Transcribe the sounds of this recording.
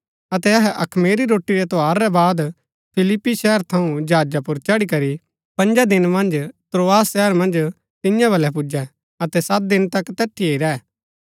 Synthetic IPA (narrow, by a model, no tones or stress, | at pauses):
ɐt̪ɛɐɦɛʔɐkʰmeːɾiɾoːʈːiɾɛt̪oɦaːɾːɛbaːd̪ | pʰɪlɪpːiʃɛɦəɾt̪ʰɐũd͡ʒaːd͡ʒapʊɾt͡ʃɐɽikɐɾi | pɐ̃nd͡ʒad̪ɪnmɐ̃nd͡ʒt̪ɾoːaːsʃɛɦəɾmɐ̃nd͡ʒ | t̪ɪjãbʱɐlɛp̬ʊd͡ʒɛ | ɐt̪ɛsɐt̪̚d̪ɪnt̪ɐkt̪ɛːʈ̪ʰieiɾɛː